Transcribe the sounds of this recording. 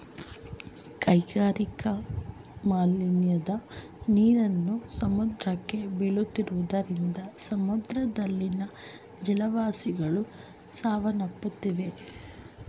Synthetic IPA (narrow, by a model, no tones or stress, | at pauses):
kɐjɡaːɾikɐ | maːlinjɐd̪ɐ | niːɾɐnːusɐmud̪ɾɐkːe̞biɭut̪ːiɾuʋud̪ɐɾind̪ɐsɐmud̪ɾɐd̪ɐlːinɐ | d͡ʒɛlɐʋaːsiɡɐɭu | saːʋɐnɐpːut̪ːiʋe̞